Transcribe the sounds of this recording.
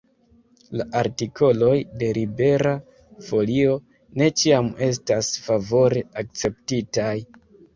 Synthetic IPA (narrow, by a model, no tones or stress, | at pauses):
laʔaɾtikʰo̞lo̞jde̞ɾʔibe̞ɾa | fo̞lio̞ | ne̞t͡ʃiame̞s̬tasfavo̞ɾe̞ak̚t͡se̞ptitaj